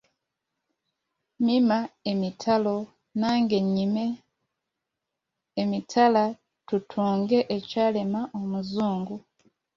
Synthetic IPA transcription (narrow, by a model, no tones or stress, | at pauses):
mimaemitʰalo̞ | naːŋɡeɲime | mitʰala | tutʰuːŋɡeʔecaːlemaʔomuzuːŋɡu